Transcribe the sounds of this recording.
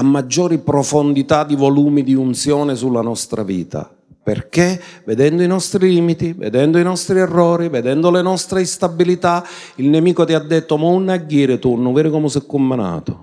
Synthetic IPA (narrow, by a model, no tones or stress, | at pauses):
amːad͡ʒːɔːɾipɾɔfond̪it̪ad̪ːivɔluːmid̪iunt̪sjɔːnɪsulːanɔst̪ɾa̰vḭːt̪a̰ | perkeved̪ɛnd̪oinɔst̪ɾiliːmit̪ivḛd̪ɛnd̪oinɔst̪ɾiɛrːɔːɾivɛd̪ɛnd̪olenɔst̪ɾeist̪abilit̪a | ilnemiːkot̪iad̪ːet̪ːomaunːaɟːiːɾɪt̪urnʊvɛːɾɪkɔmʊsɛkːomːana̰ːt̪o